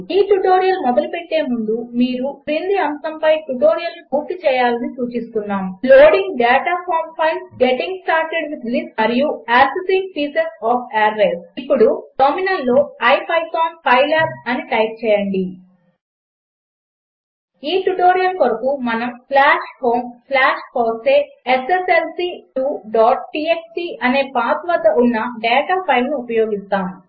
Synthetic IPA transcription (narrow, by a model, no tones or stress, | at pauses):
iːʈuʈoːɾijɐlmɔd̪ɐlupeʈːe̞ːmund̪umiːɾupɾild̪iɐmsɐmpɐjʈuʈoːɾijɐlnipuːɾt̪ːit͡ʃɛːjaːlɐnisuːt͡ʃist̪unːaːmloːɽiŋɡɖɛːʈaːpʰaːmpʰɐjnsɡeʈiŋɡsʈaːɾʈeɖʋid̪lismɐɾijuaːsisiŋk̚piːsesaːpʰaːɾːesipːuɽuʈominɐlːo̞ːɐjpʰɐjkaːnpɐjlaːp̚ɐniʈɐjp̚t͡ʃɛːjɐɳɖi | iːʈuʈoːɾijɐmkoɾɐkumɐnɐmslaːʂho̞ːmslaːʃpoːseːeseselsiːʈuɖɔːʈ̚ʈiːeksiːɐne̞ːpaːt̪ʋɐd̪ːɐʔunːɐɖɛːʈaːpʰɐjlnuːpɐjoːɡist̪aːm